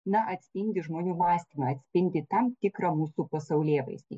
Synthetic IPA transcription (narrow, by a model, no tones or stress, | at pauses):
nɐʔɐt̪ʲsʲpʲɪnʲd̪ʲɪʒmoːnʲuːmɑːsʲt̪ʲiːmɐɐt̪ʲsʲpʲɪnʲd̪ʲɪt̪ɐmt̪ʲɪkɾɐmuːsupɐsɐʊlʲeːʋɐ̰ɪsʲd̪ʲḭ